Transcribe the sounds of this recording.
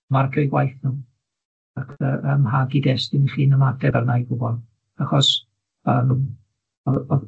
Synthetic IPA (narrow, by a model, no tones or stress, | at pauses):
marɡʰɔjɡwajθnʊm | akʰəʔəmhaɡidɛsdɪniɬiːnəmadɛbarnajɡʊbɔlˠ | aχɔs | əːm | ɔɔ